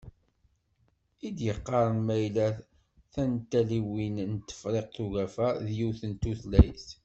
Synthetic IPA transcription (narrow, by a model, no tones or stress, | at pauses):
id̪jəqːɑɾˤənmæjlæ | θænt̪ːæliwinnət̪ːə̥fɾˤeqθuɣæfæðjuθənt̪ːuθlæjθ